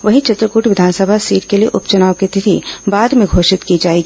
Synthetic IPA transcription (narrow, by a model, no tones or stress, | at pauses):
ʋɐɦĩt͡ʃɪt̪ɾəkuːʈʰʋɪd̪ʱaːnsəbʱasiːʈkeliḛʔʊpt͡ʃɐnaːʋkit̪ɪt̪ʰḭbaːd̪mẽɡʱoːʃɪt̪kid͡ʒaːeːɡiː